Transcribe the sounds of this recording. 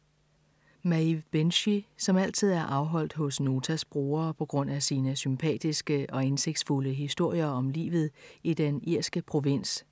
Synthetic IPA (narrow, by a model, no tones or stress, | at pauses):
mæib̥enɕisɒ̽mæl̰t͡sʰið̞̰ˠæɐʔɑ̈ʊɦɒ̽l̰d̥hɔ̽sno̝ːt͡sʰæsb̥ʁoːɐːpʰɒ̽ɡ̥ʁɔ̽n̰æsiːnəsympʰɛ̰ːd̥isɡ̥əɒ̽ense̝ɡ̥d̥sfuləɦisd̥o̝ɐ̰jɐɒ̽mlḭːʋð̞̩ˠid̥eniɐ̰sɡ̥əpʰʁo̝ʋen̰s